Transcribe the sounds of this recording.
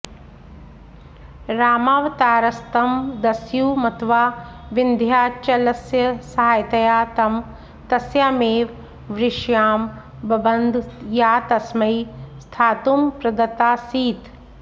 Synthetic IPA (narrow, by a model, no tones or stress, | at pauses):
ɾaːmaːʋɐt̪aːɾɐst̪ɐmd̪ɐsjuːmɐt̪ʋaːʋind̪ʱjaːt͡ʃɐlɐsjɐsɐɦaːjt̪ɐjaːt̪ɐm | t̪ɐsjaːmeːʋ | ʋɾɪʃjaːm | bɐbɐnd̪jaːt̪ɐsmɐjst̪ʰaːt̪umpɾɐd̪ɐt̪aːsiːt̪